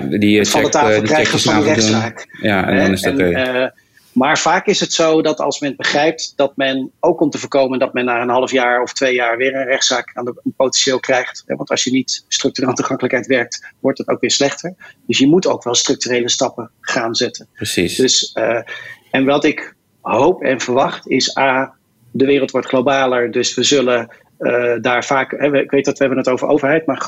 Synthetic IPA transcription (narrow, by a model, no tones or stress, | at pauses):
ditfɑlˠdətaəlkrɛjχəfrɛχtsaːkjaɛ̰ndɛnɪsn | maːɹv̥aːkɪsɦətsowdɑtɑ̰lˠsmɛnəd̚bəχrɛjp̚td̥ɑt̚mɛnowkɔmtəvəːɹkowməndɑtmɛnːaːənɦɑlˠəfjaːɹɔftʋejaːɹʋɪːɹənrɛχtsaːkaːndənpowtɛnʃɪːlˠkrɛjχtɦɛ̰ʋɑntɑ̰sʃjənitstrɵk̚tyralˠətuχɑŋkələkɦɛjtʋɛɹk̚tʋɔɹtdɑtowkʋɪːɹslɛχtəɹd̥ɵsjəmutowkʋɛlˠstrɵk̚tyrejləstɑpəχaːnzɛtəndɵs | ɛnʋɑtɪk | ɦowpɛ̰nvəɹʋɑχtɪsaː | dəʋɪːrlˠtʋɔɹtχlobaːləɹdɵsʋəzɵlə | daːɹvaːkɦɛʋəɪkʋejtɑtʋəɦɛbənətowvəɹʔo̰wvəɹɦɛjtmaːɹ